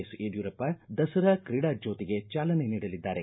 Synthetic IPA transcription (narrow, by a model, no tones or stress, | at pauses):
seːɖjuːɾɐpːɐd̪ɐsɐɾakɾiɽaːd͡ʒoːt̪iɡe̞t͡ʃaːlɐne̞niːɽɐlid̪ːaːɾe̞